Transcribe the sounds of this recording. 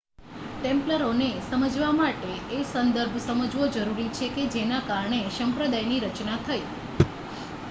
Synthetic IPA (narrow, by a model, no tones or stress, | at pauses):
ʈẽmpləɾonesəməd͡ʒʋamaʈeesənd̪əɾbʱsəməd͡ʒʋod͡ʒəɾuɾit͡ʃʰeked͡ʒenakaɾɳeʃəmpɾəd̪ajniɾət͡ʃnat̪ʰəj